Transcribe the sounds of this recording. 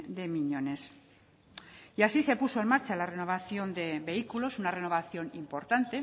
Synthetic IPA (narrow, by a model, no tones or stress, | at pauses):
d̪e̞miɲo̞ne̞s | iasise̞puso̞e̞nmaɾt͡ʃalare̞no̞β̞aθjo̞nd̪e̞βe̞ikulo̞sunare̞no̞β̞aθjo̞nimpo̞ɾt̪ant̪e̞